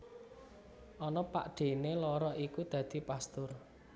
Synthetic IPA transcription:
ʔɔnɔpa̰ʔɖ̪̥e̤nelɔɾɔʔikud̪̥ä̤d̪̥i̤past̪ʊr

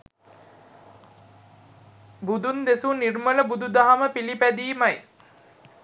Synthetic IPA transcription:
bud̪und̪esunirmələbud̪ud̪aɦaməpilipæd̪iːmaj

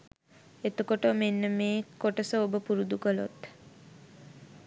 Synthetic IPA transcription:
et̪ukoʈomenːəmeːkoʈəsəobəpuɾud̪ukəlo̰t̪

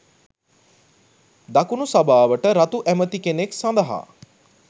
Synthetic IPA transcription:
d̪akunusabaːʋəʈəɾat̪uʔæmət̪ikeneksãnd̪ɐɦa̰

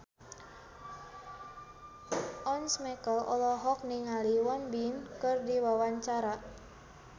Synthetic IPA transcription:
ʔɔnsmɛkəlʔɔ̰lɔɦɔk̚niŋaliwanbinkɨrdiwawaɲt͡ʃaɾa

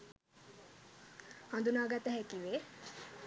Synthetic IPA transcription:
hʌ̃nd̪unaɡat̪ɛɦɛkiwe

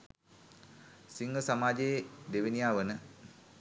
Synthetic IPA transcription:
siŋɡəsamaːd͡ʒeed̪eʋinijaːʋənə

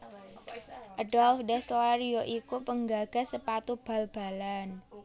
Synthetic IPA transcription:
ʔədɔlfdɛst̪oaɾioʔikupəŋɡaɡ̥a̤səpat̪ub̥a̤lb̥a̤lan

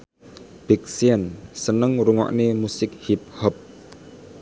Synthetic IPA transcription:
b̥ik̚siənsənəŋruŋɔ̰ʔnemusɪk̚hip̚hɔp̚

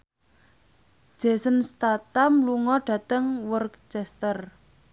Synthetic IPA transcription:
ʒ̥e̤sənst̪at̪amluŋɔɖ̥ä̤t̪əŋwɔrkt͡ʃɛst̪ər

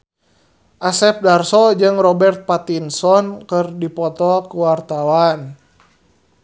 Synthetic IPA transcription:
ʔasɛp̚darsɔd͡ʒɨŋrɔbɛrt̪̚pat̪insɔnkɨrdipɔt̪ɔkuwart̪awan

